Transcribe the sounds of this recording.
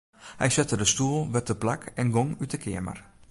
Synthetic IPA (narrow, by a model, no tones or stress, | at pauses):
hɛ̰jsɛtədəstuəlˠʋɛtəplakɛnɡoŋytəkʰɪəmə̰r